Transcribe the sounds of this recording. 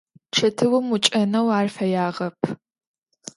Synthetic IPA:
ʈ͡ʂʰɐtʰɨwʊmut͡ʃʼɐnɐwaːrfɐjaːʁɐpʰ

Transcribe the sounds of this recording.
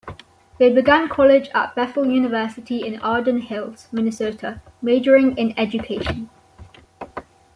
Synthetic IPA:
ðeɪbɪɡãnkʰɒlɪd͡ʒə̰ʔ̚b̥ɛθəl̩ˠjʉːnɪvɜˑsɪtʰiɪ̃nɑːdə̃nhɪlˠsmɪnɪsotʰə | meɪd͡ʒəɹɪ̃ŋɪ̃nɛd͡ʒɨkʰeɪʃə̃n

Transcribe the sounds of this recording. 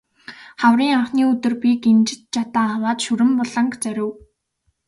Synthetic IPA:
χawriːŋaɴχniːɵt̪ɵ̆rpikent͡ɕɪ̥̆t̪t͡ɕʰat̪aːwaːt̪ʃuɾɘ̆mpɔɮə̆ŋkt͡sœɾʲɘ̆w

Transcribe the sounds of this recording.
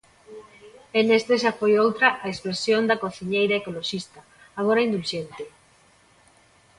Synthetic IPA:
enest̪eʃafojowt̪ɾɐʔaekspɾesjond̪ɐkoθiɲejɾaekoloʃist̪ɐ | aɣ̞oɾaind̪ulʃent̪ɪ

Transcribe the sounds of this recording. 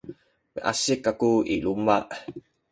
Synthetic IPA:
mḭʔa̰sikakuḭlumaʔ

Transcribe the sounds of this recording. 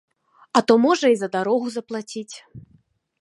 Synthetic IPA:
ɐt̪ɔmɔʐɐizɐd̪aɾɔɣuzɐplˠat͡sʲit͡sʲ

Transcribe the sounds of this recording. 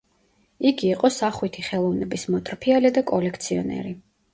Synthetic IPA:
iɡiːqʼɔsaχwit̪ʰiχɛlˠɔvnɛbismɔt̪ʼɾpʰialid̪akʼɔlɛkʰt̪sʰiɔ̰nɛ̰ɾi

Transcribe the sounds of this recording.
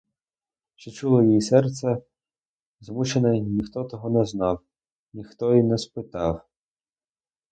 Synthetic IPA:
ʃt͡ʃɔt͡ʃulˠɔjijisɛrt̪sʲɛ | zmut͡ʃenɛnʲixt̪ɔt̪ɔɦɔnɛznɑw | nʲixt̪ɔinɛspɪt̪ɑw

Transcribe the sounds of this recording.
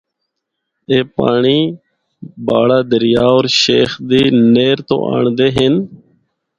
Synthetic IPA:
eːpaːɳiː | baːɽaːd̪əɾjaːoːɾʃeːxd̪iːneːɾt̪o̰ːʔa̰ːɳd̪eːɦɪn

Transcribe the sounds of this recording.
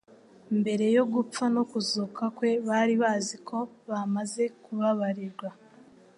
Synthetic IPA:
mbe̞ɾe̞jo̞ɡup͡fanokuzukakwe̞βaɾiβaːzikʰo̞βamaze̞kuβaβaɾiɾɡwa

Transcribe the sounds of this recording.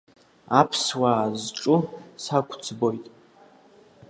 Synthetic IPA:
apʰswaːzʈ͡ʂʼʊsakʷʰʼt͡sʰbo̞jtʼ

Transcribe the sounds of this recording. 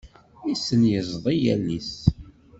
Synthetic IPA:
isənjəzˤðˤijæ̰lːis

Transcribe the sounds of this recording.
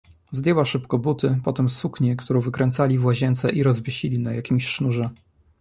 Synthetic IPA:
zd̪ʲjɛwaʂɘpkɔbut̪ɘpɔt̪ɛmsukɲɛkt̪uɾɔ̃w̃vɘkɾɛnt̪salʲivwaʑɛnt̪sɛʔiɾɔzvʲɪɕilʲinajakʲimɕʂnuʐɛ

